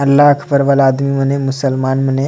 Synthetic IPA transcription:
ɐlːaːkʰpəɾʋalaːd̪mimɐnemʊsəlmaːnmɐne

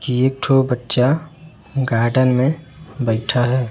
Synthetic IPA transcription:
kieːk̚ʈʰobətːʃa | ɡaːɾɖənmẽ | bəɪʈʰaɦɛː

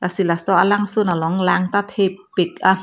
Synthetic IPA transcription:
lʔasilasɔːʔalaŋsunalɔŋlaːŋt̪at̪ʰepːik̚a

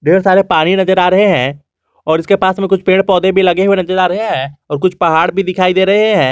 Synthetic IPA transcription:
ɖeːɾsaːɾepaːɽ̃inɐd͡ʒəɾaːɾɐɦeɦɛ̃ | ɔːɾɪskepaːsmẽkʊt͡ʃʰpẽːɳʈpɔːd̪ẽbʱilɐɡeɦuenɐd͡ʒəɾaːɾɐɦeɦɛ̃ːɔːɾkʊt͡ʃʰpɐɦaːɽbʱid̪ɪkʰaːid̪eːɾɐɦeɦɛ̃ː

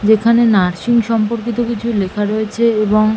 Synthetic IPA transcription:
d͡ʑekʰanenaɾʃiŋʃɔmpoɾk̬it̪okit͡ɕʰulekʰaɾoet͡ɕʰeeboŋ

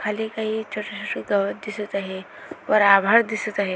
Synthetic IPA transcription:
kʰalikaɦit͡ʃʰoʈat͡ʃʰoʈiɡəʋət̪̚d̪isət̪aɦe | ʋəɾabʱaɾd̪isət̪aɦe

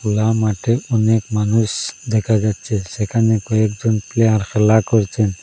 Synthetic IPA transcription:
ulamaʈeɔnekmanusd̪ɛkʰad͡ʒad̪t͡ʃʰesekʰanekɔek̚d͡ʒɔnpleaɾxʰelakɔɾt͡ʃʰen

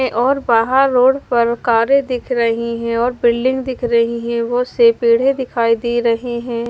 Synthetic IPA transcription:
ẽʔɔːɾbaːɦəɾːoːɽpɐɾkaːɾed̪ɪkʰɾɐɦiɦɛ̃ɔːɾbɪlɖɪ̃ŋɡd̪ɪkʰɾɐɦiɦɛ̃ʋosepiːɽ̤ed̪ɪkʰaːid̪iːɾɐɦeɦɛ̃ː

